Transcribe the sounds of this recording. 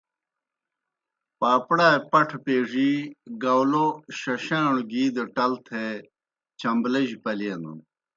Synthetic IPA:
paːpɽaːpɐʈʰpeːʐiɡɐwloɕɐɕaːɳɡiːd̪eʈɐlt̪ʰe | t͡ɕʰɐmblɐʑipɐleːnṵn

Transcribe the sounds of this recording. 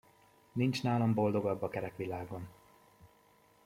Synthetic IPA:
nint͡ʃnaːlombo̞ld̪o̞ɡɒbːɒkɛɾɛkʋilaːɡo̞n

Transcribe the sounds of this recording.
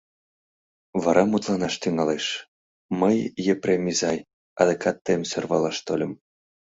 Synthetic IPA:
βɑɾʔɑmut̪lˠɑnɑʃt̪yŋɑleʃ | məjːeprʲemʲizɑj | ɑ̰d̪ekʰɑt̪ːemsørβɑlˠɑʃt̪olʲə̆m

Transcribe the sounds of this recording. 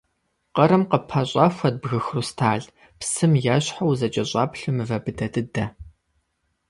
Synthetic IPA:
qɐɾɨmqəpʰɐɕʼɑfʷɐd̚bɣɨxrustʰaːɮ | psɨmjaːɕħawzɐt͡ʃʼɐɕʼɑːpɬɨmɨvɐbɨdɐdɨdɐ

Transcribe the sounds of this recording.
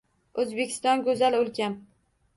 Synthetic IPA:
ɵzbe̞kʲʰɪ̥st̪ɒnɡɵzalɵlkʲʰam

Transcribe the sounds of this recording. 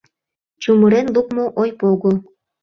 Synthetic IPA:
t͡ɕumɤɾenlukmoʔojpoɣo

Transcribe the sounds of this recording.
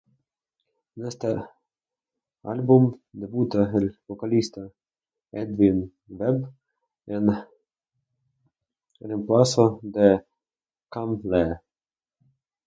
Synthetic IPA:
nɛst̪ə | a̰lʲbumd̪ɛbut̪aɦɛlʲvɔkalʲist̪a | ɛd̪vin | vɛb | n | ɾəmplˠasɔd̪ɛ | kamlɛ

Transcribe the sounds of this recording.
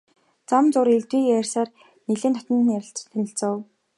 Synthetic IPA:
t͡samt͡sʊɾeɮt̪wiːæːrsaːr | neɮeːnt̪ʰɔ̥t̪ə̆næɾʲɪ̆ɬt͡ɕt̪ʰːænʲɪ̆ɬt͡sə̆ːw

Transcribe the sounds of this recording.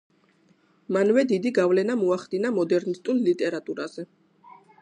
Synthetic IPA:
manvɛd̪id̪iɡavlɛnamɔaχd̪inamɔd̪ɛɾnist̪ʼulˠlit̪ʼɛɾat̪ʼuɾaz̥ɛ

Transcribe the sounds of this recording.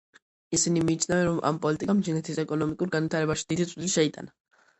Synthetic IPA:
isinimiːt͡ʃʰnavɛnɾɔma̰mpʼɔlit̪ʼikʼamd͡ʒinɛt̪ʰisɛkʼɔnɔmikʼuɾɡanit̪ʰaɾɛbaʃi̥d̪̥id̪it̪sʼliʃɛit̪ʼa̰na

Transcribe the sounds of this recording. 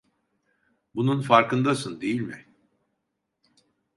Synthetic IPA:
bununfaɾkʰɯnd̪asɯnd̪e̞jilʲmɪ

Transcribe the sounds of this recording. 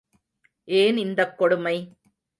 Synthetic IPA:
ʔeːnɪnd̪ɐkːɔɽɯmɐɪ

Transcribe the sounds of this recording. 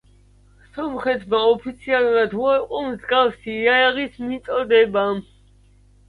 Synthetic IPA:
sɔmχɛt̪ʰmaɔpʰit̪sʰialˠuɾad̪ɛqʼɔmzɡafsiaaʁismit̪sʼɔd̪ɛba

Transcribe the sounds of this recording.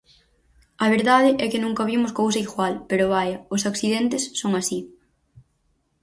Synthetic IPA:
ɐβeɾðaðɪʔɛkɪnũŋkɐβ̞imʊskowsɐiɣwalpeɾʊβajɐʊsakθiðɛnt̪ɪsːoŋasi

